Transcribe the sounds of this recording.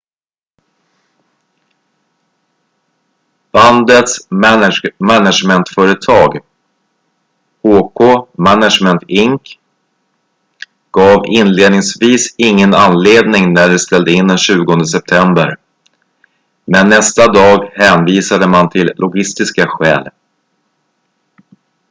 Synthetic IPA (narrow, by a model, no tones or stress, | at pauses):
b̥and̪ət̪smnmænaʂmɛnt̪fœːɾət̪ʰɑːɡ | hoːkʰoːmænaʂmɛnt̪ɪŋk | ɡ̥ɑːvɪnleːd̪nɪŋsviːsɪŋːənanleːd̪nɪŋnæɖɛst̪ɛld̪əɪnd̪ɛnɕʉ̟ːɡɔnd̪əsɛp̚t̪ʰɛmbəɾ | mɛnːɛst̪ad̪ɑːɡhɛːnviːsad̪əmant̪ʰɪlːʔʊɡɪst̪ɪskaɧɛ̰ːl